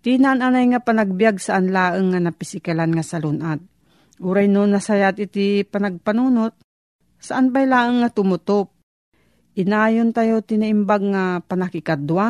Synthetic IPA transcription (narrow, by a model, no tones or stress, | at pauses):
t̪inaʔananajŋapanaɡ̚bijaɡ̚saʔanlaːʔəŋːanapɪsɪkalanŋasalʊnʔad̪̚ | ʔuɾajnonːɐsajat̪ɪt̪ipanaɡ̚panuːnot̪̚ | saʔanpajlaːʔəŋːat̪ʊmʊt̪op̚ | ʔɪnaːjont̪ajot̪ɪnaʔɪmbaɡ̚ŋapanakɪkad̪wa